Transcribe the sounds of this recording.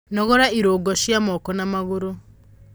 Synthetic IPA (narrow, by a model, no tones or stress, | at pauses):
nɔɣɔɾaiɾoːɡɔʃjamɔkɔnamaɣoɾo